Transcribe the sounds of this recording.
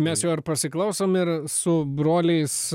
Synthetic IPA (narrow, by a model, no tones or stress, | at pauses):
mʲɛsjɛːɪɾpɐsʲɪklˠɐʊsoːmɪɾsʊbɾoːlʲɛɪs